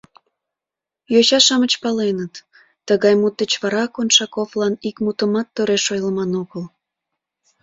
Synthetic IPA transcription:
joɕɑʃɑmət͡ɕpɑlenət̪ː | əɣɑjmut̪ːət͡ɕβɑɾɑkonʃɑkoflɑnikmut̪əmɑt̪ːøɾeʃojləmɑnoɣəl

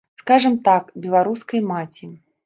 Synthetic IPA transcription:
skaʐɐmt̪akbʲɛlˠaɾuskɐjmat͡sʲi

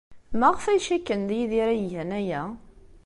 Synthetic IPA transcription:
mæʁəfæjʃækːənðijiðiɾæjʝənæjæ

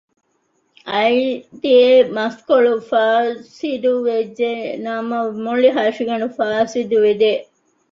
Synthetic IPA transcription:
ɐid̪iemɐskoɭufaːsid̪uʋed͡ʒːenɐmɐmoɭiɦɐʃiɡɐɳufaːsid̪uʋid̪e

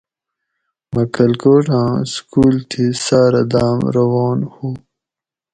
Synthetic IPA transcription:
mɐkɐlkoʈãːskuːlt̪ʰisaːɾad̪aːmɾɐwɑːnhu

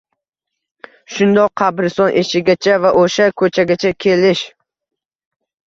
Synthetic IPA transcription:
ʃʊnd̪ɒqʰːɑbɾɪsɒnʔeʃɪɡʲat͡ʃʰavaʔoʃakʰɵt͡ʃʰaɡʲat͡ʃʰakʲʰelɪʃ

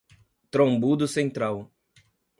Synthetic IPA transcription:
t̪ɾõbud̪ʊsẽnt̪ɾaw

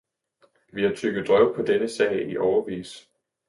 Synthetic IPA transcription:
ʋihæt͡sʰyɡ̥ð̩ˠd̥ʁœʊ̰pʰɒ̽d̥enəsɛ̰ɪ̰iʔɒʊɐʋḭːs

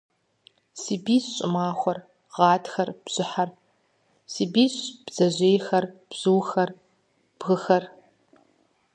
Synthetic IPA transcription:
siːbiːsɕʼɪmaːxʷɐr | ʁɑːtxɐrb̥z̥ɪħar | siːbiːɕb̥z̥ɐʑʷeːjxɐrb̥z̥ɨwxɐr | b̥ɣɨxɐr

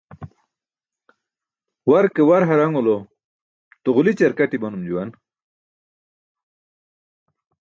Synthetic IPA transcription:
waɾkewaɾɦaɾaŋolo | t̪oʁulit͡ɕɐɾkaʈibɐnumd͡ʑuwan

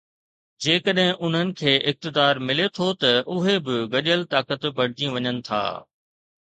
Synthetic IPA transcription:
d͡ʑeːkəɗɦɪ̃ʔʊn̤ənɪ̆kʰeːʔɪk̚t̪ɪd̪aːɾmɪlet̪ʰot̪ɐʔʊɦebɪɡɐʄəlt̪aːkət̪bɐɽ̤ɪd͡ʑĩʋɐɲənɪ̆t̪ʰa̰ː

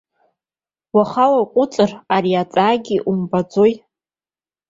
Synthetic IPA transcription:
waχalaqʷʼʊt͡sʼɨraɾiat͡sʼaːɡʲiʔumbad͡zo̞j

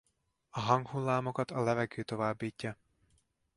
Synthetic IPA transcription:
ɒɦɒŋkhulːaːmo̞kɒt̪ɒlɛvɛɡøːt̪o̞vaːbːiːcːɒ

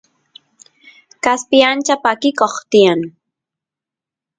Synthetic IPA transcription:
kaspɪjant͡ʃapakɪkoχt̪ɪjaŋ

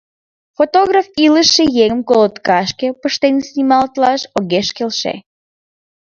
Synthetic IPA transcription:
fot̪oɣrafiləʃejeɣəmkolˠot̪kɑʃkʲepəʃt̪enʲsʲnʲimɑlˠt̪lɑʃoɣeʃkʲelʃḛ

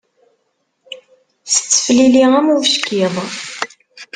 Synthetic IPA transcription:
θə̥t͡sːə̥fliliʁæmuʃkiðˤ

